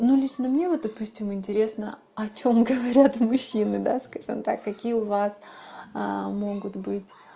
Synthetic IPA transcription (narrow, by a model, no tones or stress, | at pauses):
nulʲiʂnəmnʲevot̪̚d̪ɐpusʲtʲɪmɪnʲtʲɪɾʲe̞snə̰ | ɐt͡ɕo̞mɡəvɐɾʲat̪mʊɕːinɨd̪askaʐɨ̰mt̪a̰kːɐkʲijəʊvas | mo̞ɡʊt̪bɨtʲ